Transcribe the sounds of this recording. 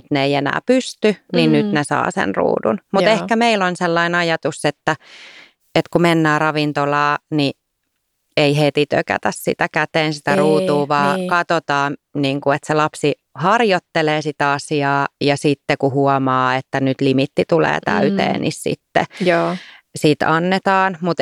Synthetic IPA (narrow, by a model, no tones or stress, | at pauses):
t̪neeienæ̰ːpyst̪yninnyt̪nesɑ̰ːsḛnrṵːdṵnmuehkæmeilonselːɑinɑjɑt̪uset̪ːæ | et̪kumenːæːrɑʋint̪olɑːni | eihet̪it̪ø̰kæ̰t̪æssḭt̪ækæt̪eːnsit̪æruːt̪uːʋɑːkɑt̪ot̪ɑːniːŋkuet̪selɑpsi | hɑrjot̪ːeleːsit̪æɑsiɑːjɑsit̪ːekuhuɔmɑːet̪ːænyt̪limit̪ːit̪ulḛːt̪æ̰yt̪ḛːnḭssḭt̪ːḛ | sit̪ɑnːet̪ɑːnmut̪